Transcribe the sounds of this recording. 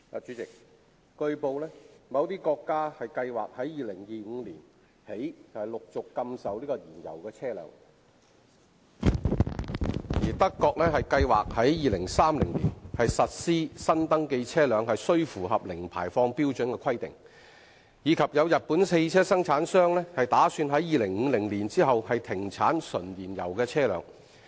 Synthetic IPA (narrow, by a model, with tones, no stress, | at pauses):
t͡ʃyː˨˥t͡sɪ˨k̚ | kɵ˧ɥpo˨˧wlɛː˥mɐ˨˧wt̪iː˥kɔː˧kːaː˥hɐ˨jkɐ˧jwa̰ː˨k̚hɐ˨˥jjiː˨lɪ˨˩ŋjiː˨ŋ̩˨˧liː˨˩n | he˨˥jt͡sɐ˨hɐ˨˩jlʊ˨k̚t͡sʊ˨kːɐ˧msɐ˨wliː˥kɔ˧jiː˨˩njɐ̰˨˩wkɛː˧t͡sʰɛː˥lœ̰ː˨˥ŋ | jiː˨˩t̪ɐ˥kːɔː˧k̚lɛː˥ɦɐ˨jkɐ˧jwaː˨k̚hɐ˨˥jjiː˨lɪ˨˩ŋsaː˥mlɪ˨˩ŋlḭː˨˩nhɐ˨jsɐ˨t̚siː˥sɐ˥nt̪ɐ˥ŋke˧jt͡sʰɛː˥lœː˨˧ŋhɐ˨jsɵ˥ɥfuː˨˩ɦɐ˨p̚lɪ˨˩ŋpʰa̰ː˨˩jfɔː˧ŋpiː˥wt͡ʃɵ˨˥nkɛː˧kʰɐ˥jt̪ɪ̰˨˩ŋ | jiː˨˧kʰɐ˨p̚jɐ˨˧wjɐ˨t̚puː˨˥nse˧jt͡sʰɛː˥sɐ˥ŋt͡sʰaː˨˥nsœː˥ŋlɛː˥hɐ˨jt̪aː˨˥syː˧nɦɐ˨˥jjiː˨˧lɪ˨˩ŋŋ̩ː˨˧lɪ˨˩ŋliː˨˩nt͡siː˥ɦɐ˨whɐ˨jt̪ʰɪ˨˩ŋt͡sʰaː˨˥nsɵ˨˩njiː˨˩njɐ̰˨˩wkɛː˧t͡sʰɛː˥lœ̰ː˨˧˥ŋ